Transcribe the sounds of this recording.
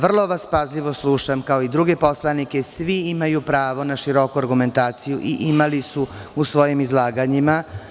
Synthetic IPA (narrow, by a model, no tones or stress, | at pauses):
ʋr̩lˠo̞ʋaspazʎʲiʋo̞slˠuʃamkao̞id̪ɾuɡe̞po̞slˠanike̞sʋiimajupɾaːʋo̞naʃiɾo̞kuaɾɡume̞nt̪aːt̪sijuʔiʔimalisuusʋo̞jimizlˠaːɡaɲima